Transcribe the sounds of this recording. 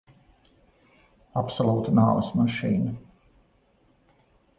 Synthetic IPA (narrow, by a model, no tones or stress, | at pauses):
apsɔlˠuːt̪naːvəsmaʃiːnɐ